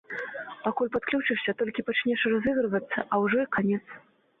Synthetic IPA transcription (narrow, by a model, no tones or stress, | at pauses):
pakulʲpat̪̚klʲut͡ʂɨʂsʲɐt̪ɔlʲkʲipat͡ʂnʲɛʂrazɨɣɾɨvɐt̪sːɐʔɐwʐɔkanʲɛt̪s